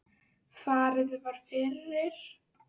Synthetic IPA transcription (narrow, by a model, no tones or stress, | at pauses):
θaːɾɪðʏvaɾ̥fɪrːɪɾ̥